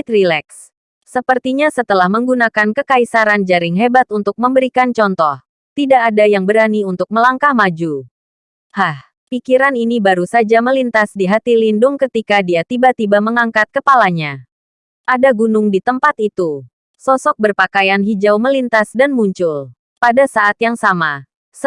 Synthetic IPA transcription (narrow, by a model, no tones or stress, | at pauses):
t̪rilɛksː | əpərt̪iɲasət̪əlahməŋɡunakankəkaisaɾand͡ʒaɾɪŋɦebat̪unt̪ʊk̚məmbəɾikant͡ʃɔnt̪ɔh | t̪idaʔːdajaŋbəɾaniunt̪ʊk̚məlaŋkahmad͡ʒu | hah | pikiɾaninibaɾusad͡ʒaməlint̪asdiɦat̪ilindʊŋkət̪ikadiat̪ibat̪ibaməŋaŋkat̪̚kəpalaɲa | ʔadaɡunʊŋdit̪əmpat̪it̪u | sɔsɔk̚bərpakajanɦid͡ʒawməlint̪asdanmuɲt͡ʃʊl | padasaʔat̪jaŋsama